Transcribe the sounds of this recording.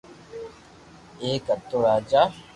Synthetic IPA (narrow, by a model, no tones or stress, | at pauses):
eːkɐt̪ːoɾaːd͡ʒaː